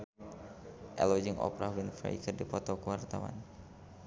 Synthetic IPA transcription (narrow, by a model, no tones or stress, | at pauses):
ʔɛlɔd͡ʒiŋʔɔ̰pɾawɪnfɾa̰jkərdipɔt̪ɔkəwart̪awa̰n